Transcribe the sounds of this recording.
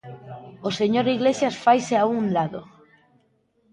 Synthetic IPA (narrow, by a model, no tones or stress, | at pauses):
oseɲoɾiɣlesjasfajseaunlaðo